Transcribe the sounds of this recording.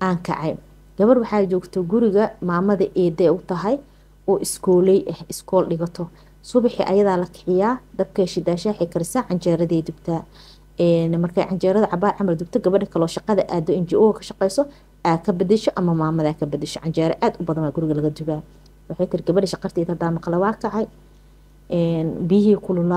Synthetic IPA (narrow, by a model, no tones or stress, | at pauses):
ʔaːŋkʰɑ̰ʕɑj | ɡ̥ɐβɐrwɑħɑːt͡ʃɔːɡt̪ʰɔɡʊɾɪɣɐmaːmɐðɐʔɛːd̪ɛʊt̪ʰɐɦɛj | ɔːʔɪskʰɔːlɛjʔɛhɪskʰɔːlɖɪɣɐt̪ʰɔ | sʊβɪħɪ̰ʔɐ̰jɐðaːlɐkʰɪ̥ʕɪjaːd̪ɐb̚kʰɛʃɪd̪aːʃaːħɛjkʰɐɾɪsaːʕɑnt͡ʃɛːɾɐðɛːd̪ʊbt̪ʰɐ | ɛnmɐrkʰɐ̰ʕɑnt͡ʃɛːɾɐðɐʕɑbaːʕɑmɐrd̪ʊb̚t̪ʰɐɡɐβɐɖɐkʰɐlɔːʃɑqɑðɐʔaːd̪ɔɪnt͡ʃiʔɔkʰɐ̥ʃɑqɛjsɔ | ʔaːkʰɐbɐd̪ɪʃɔʔɐmɐmaːmɐðaːkʰɐbɐd̪ɪʃɔʕɑnt͡ʃɛːɾɛʔaːd̪ʊbɐðɐnaːɡʊɾɪɣɐlɐɣɐd̪ʊβaː | wɑħɑːjt̪ʰɪɾɪɡɐβɐɖɐʃɑqɑrt̪ʰiːðɐd̪aːmɑqlɛwɑːkʰɐʕɑj | ʔɛnbiɦiːkʰʊlʊla